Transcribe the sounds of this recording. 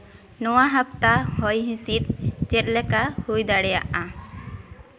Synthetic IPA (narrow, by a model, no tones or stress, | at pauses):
nɔwaɦap̚t̪ahɔjɦĩsit̪̚t͡ʃɛt̪̚ˀlɛkahujd̪aɽɛja̰ʔã